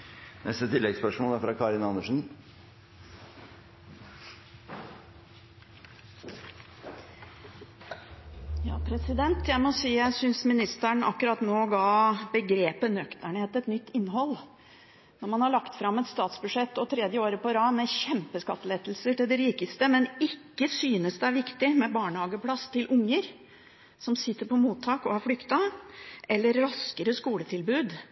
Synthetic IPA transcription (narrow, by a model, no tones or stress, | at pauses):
nʔɛ̰st̪ət̪ʰɪlːɛɡspœʂmoːlæɾfɾɑkʰɑːɾɪnɑnːəʂn̩ | jɑ̰ːpʰɾɛsɪd̪ɛnt̪jæɪmɔsiːjæɪsʏnsmɪnɪst̪æɳʔɑ̰kːʉɾɑt̪noːɡɑːbəɡɾeːpənœkt̪əɳheːt̪ɛt̪nʏt̪ːɪnːɦɔlː | nɔɾmɑnhɑɭɑkt̪fɾɑmːɛt̪st̪ɑːt̪sbʉʂɛt̪ːɔt̪ʰɾɛd̪jəoːɾəpɔɾɑːmɛɕɛmpəskɑ̰t̪ːəleːt̪lsəʈɪld̪ɛɾiːkəst̪əmɛnɪkːəsyːnəsd̪ɛæɾʋɪkt̪ɪmɛbɑːɳəhɑːɡəpʰlɑst̪ɪlʔʊŋːəɾ | sɔmsɪt̪ːəɾpʰɔmuːt̪ʰːɑːkɔhɑɾfɽʏkt̪ɑʔɛlːəɾːɑskəɾəskuːlət̪ʰɪlbʉːd̪